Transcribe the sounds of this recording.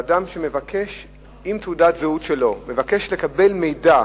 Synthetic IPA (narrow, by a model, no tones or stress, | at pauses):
damʃe̞me̞vakʰe̞ʃ | imt̪udat̪zeut̪ʃe̞lo̞me̞vake̞ʃle̞kabe̞lme̞jda